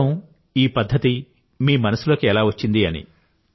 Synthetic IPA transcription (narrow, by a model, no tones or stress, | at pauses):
ɐm | iːpɐd̪ʱːɐt̪i | miːmɐnɐsulo̞ːkiɛlaːʋɐt͡ʃːind̪iɐnḭ